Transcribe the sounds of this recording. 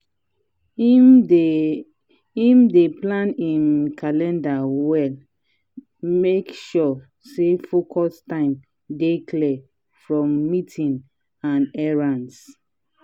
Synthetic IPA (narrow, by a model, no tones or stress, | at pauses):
hĩmdeplãnĩnkʰalɛ̃ndawɛl | mekʃɔ | sefokʰɔstãɪ̃m | deklɛ | fɹɔ̃mːitʰĩn | ãnɛɹãns